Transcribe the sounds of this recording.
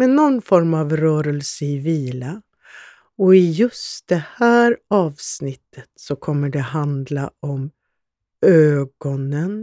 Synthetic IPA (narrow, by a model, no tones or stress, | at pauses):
mɛnːɔnːfɔɾmavɾœːɾəlsəɪviːla | ɔɪjɵst̪̚d̪̥ɛhæːɾɑːvsnɪt̪ʰːət̪sɔkʰɔmːəɖɛɦand̪laɔm | øːɡ̥ɔnən